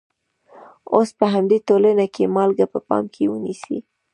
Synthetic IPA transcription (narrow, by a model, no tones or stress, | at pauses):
ospəɦamd̪etolanakʰemɑlɡapəpɑ̰mkʰewənisḭ